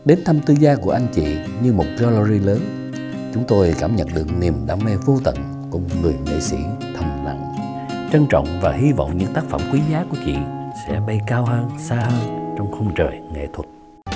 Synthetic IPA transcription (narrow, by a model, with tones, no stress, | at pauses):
ɗe˨˦nt̪ʰa˧mt̪ɨ˧zaː˧ku˧˩əʔa˧jŋ̟t͡ɕḭ˧˨ | ɲɨ˧mo˨˩t̚kɔ˧lo˧zi˧ləː˨˦n | t͡ɕʊ˨˦ŋ͡mt̪o˧jkaː˧˩mɲə̰˨nɗɨ˨˩ək̚ni˨˩əmɗaː˧ŋmɛ˧vo˧t̪ə̰˧˨n | kuʊ˧˩ŋ͡mŋɨ˨˩əjnḛ˧˨sḭ˧˥t̪ʰə˨˩nna̰˧˨ŋ | t͡ɕə˧nt͡ɕɔ̰˧˨wŋ͡mvaː˨˩hi˧vɔ̰˧˨wŋ͡mɲɨ̰˧˥ŋt̪aː˦˥k̚fə̰˧˩mkwi˨˦zaː˨˦ku˧˩ət͡ɕwḭ˧˨nsɛ̰˧˥ɓə˧jkaː˧wɦəː˧nsaː˧həː˧nt͡ɕɔ˧wŋ͡mxə˧wŋ͡mt͡ɕəː˨˩jŋḛ˧˨t̪ʰwə˨˩t̚